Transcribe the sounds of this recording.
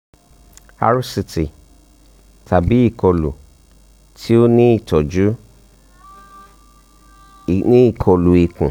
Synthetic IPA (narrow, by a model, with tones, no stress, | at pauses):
a̰˨ɾu˦si˧ti˨ | tʰa˨bi˨˦i˦˨kɔ˧lṵ˨ | tʰi˦o˦nĩ˦i˦˨tɔ˨d͡ʒu˨˦˨ | nĩ˦i˦˨kʰɔ˧lu˨i˨˧kṵ̃˨